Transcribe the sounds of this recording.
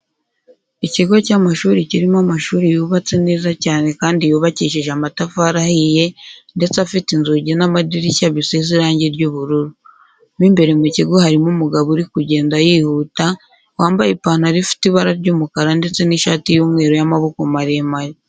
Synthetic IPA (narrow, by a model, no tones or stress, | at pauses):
iciɡocamaʃuːɾiciɾimamaʃuːɾijuːβat͡seneːzacaːne̞kaːndijuːβaciːʃiʒeamatafaːɾahije̞nde̞t͡seafitinzuɟenamadiɾicaβisiziɾaːɲɟeɾɟuːβuɾuɾu | miːmbe̞ɾe̞muciɡohaɾimumuɡaβuɾikuɟe̞ːndajihuːta | waːmbajepaːnaɾifi̥tiβaɾaɾɟuːmukaɾande̞t͡se̞niʃaːtijuːmŋe̞ːɾojamaβo̞komaɾemaɾi